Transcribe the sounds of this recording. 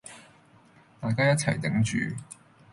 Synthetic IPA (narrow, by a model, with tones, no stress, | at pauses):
t̪aː˨jkaː˥jɐ˥t̚t͡sʰɐ˨˩jt̪ɪ˨˥ŋt͡ʃy̰ː˨